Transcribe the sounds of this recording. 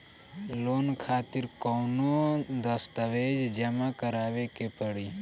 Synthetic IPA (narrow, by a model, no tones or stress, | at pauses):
loːnkʰaːt̪iɾkoːnod̪ɐst̪ɐʋeːd͡ʒd͡ʒɐmakɐɾaːʋekepəɽiː